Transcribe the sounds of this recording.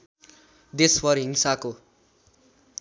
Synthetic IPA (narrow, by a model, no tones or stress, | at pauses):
d̪esbʌɾɦiŋsako